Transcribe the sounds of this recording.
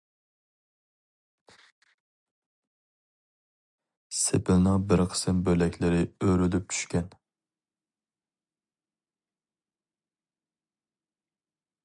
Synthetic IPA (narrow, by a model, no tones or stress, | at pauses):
sepɪlnɪŋbɪɾqʰə̥sɨmbølɛkʲlɪɾɪøɾylyp̚t͡ʃʰy̥ʃkʲɛn